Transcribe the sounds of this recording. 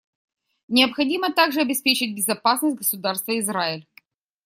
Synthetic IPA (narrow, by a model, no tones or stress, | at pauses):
nʲɪəpxɐdʲimət̪aɡʐɨɐbʲɪspʲet͡ɕɪt̚ʲbʲɪzɐpasnəsʲt̚ʲɡəsʊd̪arst̪vəɪzraɪlʲ